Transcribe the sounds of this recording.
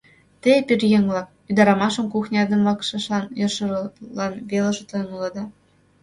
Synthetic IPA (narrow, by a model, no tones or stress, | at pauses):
t̪epirjeŋblɑk̚ | yd̪ɑɾɑmɑʃɤ̆mkuxnʲɑd̪ə̆mβɑkʃɑ̆ʃɑnjɤʃɤ̆lɑnβelɤ̆ʃĕt̪ɤ̆nulɑd̪ɑ